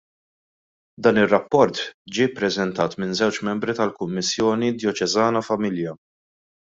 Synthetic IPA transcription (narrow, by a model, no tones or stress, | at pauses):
d̪ɐːnɪrːɐpːɔɾt̪d͡ʒɪːpːɾɛzɛnt̪ɐːt̪mɪnzɛwt͡ʃmɛmbɾit̪ɐlkʊmːɪsːjɔːnid̪jɔt͡ʃɛzɐːnɐfɐmɪljɐ